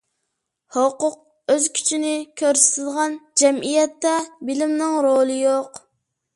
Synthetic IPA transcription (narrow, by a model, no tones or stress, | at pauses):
hoqʊq̚ | øzkʲʰy̥t͡ʃʰinɪkʲʰøɾsɪ̥t̪ʰɪd̪ʁɑnd͡ʒɛmijɛt̪ːɛbɪlɪmnɪŋɾolˠɨjoq